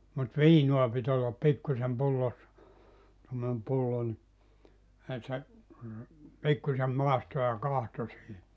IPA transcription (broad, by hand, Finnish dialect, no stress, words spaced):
mut ʋiːnuɑ pit olːɑp pikːusem pulːosːɑ tomːonem pulːo ni e se pikːusem mɑˑisto jɑ kɑhto siːhi